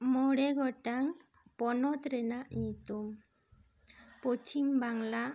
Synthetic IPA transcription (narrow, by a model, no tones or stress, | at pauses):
mɔɽɛɡɔʈaŋ | pɔnɔt̪ɾɛnaʔit̪um | pot͡ʃimbaŋla